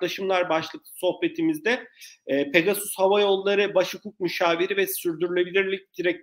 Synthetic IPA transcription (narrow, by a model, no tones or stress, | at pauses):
lˠaʃɯmlˠaɾbaʃlˠɯk̪̚ˠɯso̞xpe̞t̪ʰimizd̪ɛː | pʰe̞ɡasushavajo̞lˠːaɾɯbaʃɯkʰuk̚myʃaːviɾivɛsyɾd̪yɾylʲe̞bilʲiɾlʲic̚d̪iɾɛ